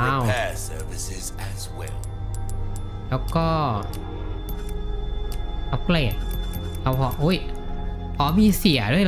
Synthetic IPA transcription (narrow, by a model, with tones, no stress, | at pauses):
a˧ɛsɜːvɪsɪz | æzwɛ̰lˠ | lɛː˦˥wkɔː˥˩ | a˧˩kleː˧˩t̪̚ | la˧˩whʰɔː˨˩˦ʔoː˦˥˨j | kʰɔː˨˦miː˧si˨˩˦ədu˥˩əj